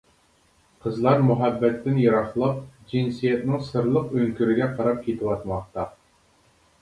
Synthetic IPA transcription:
qʰəzlˠɑɾmuɦɛbːɛt̪ʰːɪnjɑɾɑχlˠɑp̚d͡ʒinsijɛt̪nɪŋsɨɾlˠəqøŋkʲyɾɪɡʲɛqʰɑɾɑp̚kʲʰet̪ʰɪwɑt̪mɑχt̪ɑ

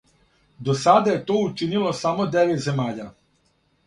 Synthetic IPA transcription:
d̪osad̪aje̞t̪oːut͡ʃinilo̞samo̞d̪eʋet̪ze̞maːʎa

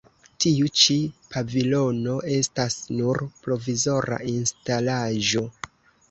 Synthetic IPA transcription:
tiut͡ʃipʰavilo̞no̞ʔe̞stasnuɾpɾo̞vizo̞ɾa̰ʔinstalaʒo̞

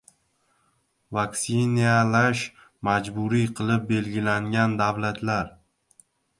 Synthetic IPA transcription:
vaksinijalaʃ | mad͡ʒbʊɾiqʰɨlˠɪp̚be̞lɡʲɪlaŋɡʲand̪avlat̪ʰlaɾ

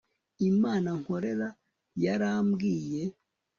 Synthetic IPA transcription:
imaːnaŋ̥ho̞ɾe̞ɾa | jaɾamɡiːje̞

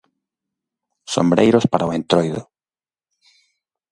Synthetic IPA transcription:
so̰mbɾḛjɾʊspaɾaoent̪ɾojðʊ̰

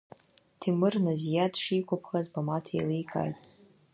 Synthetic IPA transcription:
tʰimɨrnɨzjadʂikʷapʰχazbamatʰa̰likʼʰa̰jtʼ

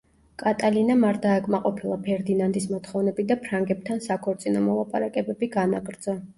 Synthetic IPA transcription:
kʼat̪ʼalinamaɾd̪aɛkʼmaqʼɔpʰilˠapʰɛɾd̪inand̪ismɔt̪χɔvnɛbid̪apʰɾaŋɡɛp̚t̪ʰansakʰɔɾt̪sʼinɔmɔlˠapʼa̰ɾakʼɛbɛbiɡanaɡʼɾd̪za

